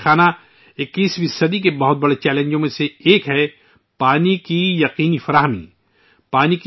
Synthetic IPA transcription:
xaːna | ɪkːiːsʋɪsəd̪ik̬ebɐɦʊt̪̚bɐɽet͡ʃɛːlẽɲd͡ʒõmẽseeːkɦɛ | paːnikijɐqiːnifɐɾaːɦəmḭ | paːnik

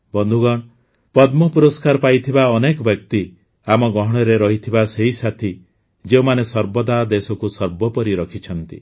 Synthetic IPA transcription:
bɔnd̪ʱuɡɔɽ̃ | pɔd̪mɔpuɾɔskaɾɔpajt̪ʰibaɔnekɔbjɔkt̪i | amɔɡɔɦɔɽ̃ɔɾeɾɔɦit̪ʰibaseɦisat̪ʰi | d͡ʒeumanesɔɾbɔd̪ad̪esɔkusɔɾbɔpɔɾiɾɔkʰit͡ʃʰɔnt̪ḭ

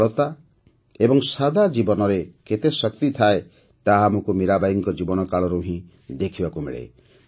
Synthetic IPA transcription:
ɔt̪a | ebɔŋsad̪ʱad͡ʒibɔnɔɾeket̪esɔkt̪it̪ʰae | t̪aɦamokumiɾabajiŋkɔd͡ʒibɔnɔkaɭɔɾuɦĩ | d̪ekʰibakumḛɭḛ

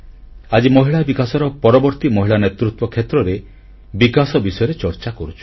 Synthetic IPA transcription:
ad͡ʒimɔɦiɭabikasɔɾɔpɔɾɔbɔɾt̪imɔɦiɭanet̪ɾut̪wɔkʰet̪ɾɔɾe | bikasɔbisɔjɔɾet͡ʃɔɾt͡ʃakɔɾut͡ʃʰu̥

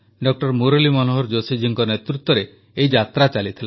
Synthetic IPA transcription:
ɖɔk̚ʈɔɾmuɾolimɔnoɦɔɾd͡ʒosid͡ʒiŋkɔnet̪ɾut̪ːɔɾe | ejd͡ʒat̪ɾat͡ʃalit̪ʰila

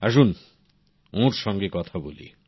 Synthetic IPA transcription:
aʃ̬un | õɾʃɔŋɡekɔt̪ʰabolḭ

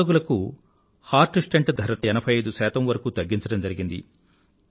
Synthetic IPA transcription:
oɡulɐku | haːɾʈɨsʈeɳʈd̪ʱɐɾɐɐɛnɐbʰʱɐjɐjd̪usæːt̪ɐmʋɐɾɐkut̪ɐɡːiɲt͡ʃɐɽɐmd͡ʒɐɾiɡind̪ḭ

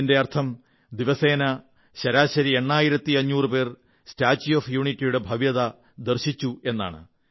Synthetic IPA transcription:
inde̞ɐrt̪ʰɐm | d̪iʋɐse̞ːnɐ | ɕɐɾaːɕɐɾie̞ɳːaːjiɾɐt̪ːiɐɲːuːrɨpe̞ːr | staːt͡ɕːijoːfjuːɳitːijuɽe̞bʱɐʋjɐðɐ | d̪ɨrɕit͡ɕːue̞nːa̰ːɳɨ̰

